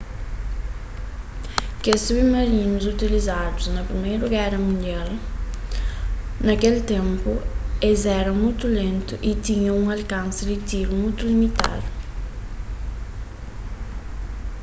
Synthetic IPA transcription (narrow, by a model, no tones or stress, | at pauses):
kesuβemɐɾinʊzut̪ilizad̪ʊznɐpɾimejɾɾuɡɛɾɐmũnd̪jal | nɐkelt̪ẽmpʊezɛɾɐmujt̪ulẽnt̪ʊʔit̪ĩɲɐ̃ũŋalkãnsɪd̪ɪt̪iɾumujt̪ulimit̪a̰d̪ʊ